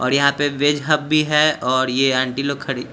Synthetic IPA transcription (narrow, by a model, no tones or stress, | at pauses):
ɔ̰ːɾjɐɦãpeʋeːd͡ʒɦɐb̚bʱiɦɛɔːɾjeɛ̃ːɳʈilokʰːɐɾiː